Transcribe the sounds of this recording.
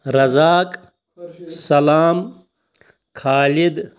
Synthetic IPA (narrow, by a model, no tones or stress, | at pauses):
ɾɐzaːkʼ | sɐlaːm | kʰaːlid̪